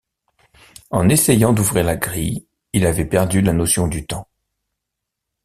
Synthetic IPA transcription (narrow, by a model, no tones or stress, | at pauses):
ɑ̃nesejɑ̃d̪uvʁiʁlaɡʁḭj | ilavɛpɛʁd̪ylanɔsjɔ̃d̪yt̪ɑ̃